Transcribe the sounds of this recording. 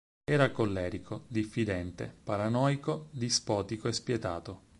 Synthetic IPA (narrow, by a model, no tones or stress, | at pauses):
ɛːɾakolːɛːɾikʰod̪ifːid̪ɛnt̪ḛpaɾanɔːjkod̪ispɔːt̪ikoespjet̪a̰ːt̪o